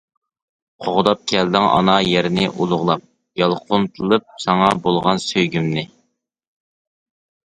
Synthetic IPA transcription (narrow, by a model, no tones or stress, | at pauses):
qʰoʁd̪ɑp̚kʲʰɛld̪ɪŋɑ̰nɑjeɾɪnɪʔulˠʊʁlˠɑp̚ | jɑlˠqʰʊnt̪ʰɨlˠɨp̚sɑŋɑbolˠʁɑnsøjɡʲymnɪ